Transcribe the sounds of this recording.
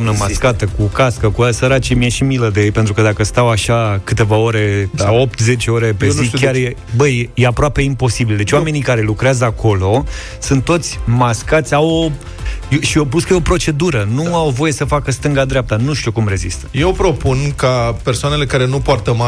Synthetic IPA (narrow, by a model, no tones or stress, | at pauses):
mnəmaskat̪əkukaskəkuasəɾat͡ʃemijaʃimiləd̪ejejpe̞nt̪ɾukəd̪akəst̪awaʃakɨt̪e̞vao̞ɾe̞o̞p̚t̪ze̞t͡ʃeo̞ɾe̞pezikʲarje | bəjjeapɾoape̞impo̞sibild̪et͡ʃʲowame̞nikaɾe̞lukɾeazəakʰo̞lo̞ | sɨnt̪ːo̞t̪sʲmaskat̪sʲawo | jʃiop̬uskəeo̞pɾo̞t͡ʃe̞d̪uɾənuawvo̞je̞səfakəst̪ɨŋɡad̪ɾeap̚t̪anuʃt̪iokumɾe̞zist̪əjewpɾo̞punkapersoane̞le̞kaɾe̞nupoart̪əma